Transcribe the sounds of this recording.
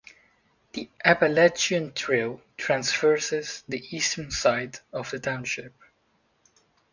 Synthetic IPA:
ðiʔæpəlɛt͡ʃiə̃ntʰɹɪlˠtʰɹæ̃nsfɜ˞sɪz̥ðiʔistʰənsaɪdɔvðətʰãʊ̃nʃɪp̚

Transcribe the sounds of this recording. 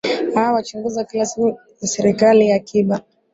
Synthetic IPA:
hawawat͡ʃuŋɡuzakilasiu | jasɛɾikalijakʰiɓa

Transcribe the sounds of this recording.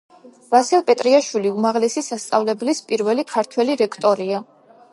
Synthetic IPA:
v̥asilˠpʼɛt̪ʼɾiaʃwiliumaʁlɛsisast̪sʼa̰vlɛblispʼiɾvɛlikʰaɾt̪ʰwɛliɾɛkʰt̪ʼɔɾia

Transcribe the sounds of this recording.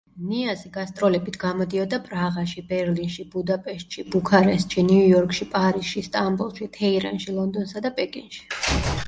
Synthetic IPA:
niasiɡast̪ʼɾɔlɛbit̪ʰɡamɔd̪iɔd̪apʼɾaʁaʃibɛɾlinʃibud̪apʼɛʃt̪̚ʼʃibukʰaɾɛst̪ʃiniujɔɾkʼʃipʼaɾisʃist̪ʼambulˠʃit̪ʰɛiɾa̰nʃilˠɔnd̪ɔnsad̪apʼɛkʼinʃi̥

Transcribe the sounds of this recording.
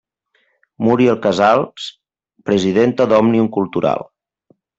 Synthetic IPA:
muɾiəlˠkəzalˠs | pɾəziðent̪əðɔmniuŋkulˠt̪uɾa̰lˠ

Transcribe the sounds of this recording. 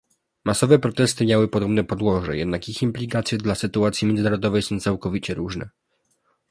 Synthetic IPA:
masɔvɛpɾɔt̪ɛst̪ɘmʲjawɘpɔd̪ɔbnɛpɔd̪wɔʐɛ̰jɛd̪nakiximplʲikat̪sʲjɛd̪lasɘt̪uat̪sʲimʲjɛnzɘnaɾɔd̪ɔvɛjsɔ̃w̃t̪sawkɔvʲit͡ɕɛɾuʐnɛ̰

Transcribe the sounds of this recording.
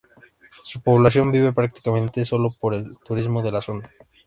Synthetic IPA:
supoβlas̬jo̞mbiβ̞e̞pɾak̚t̪i̥kamẽnt̪e̞so̞lopo̞ɾe̞lt̪uɾizmoð̞e̞laso̞na

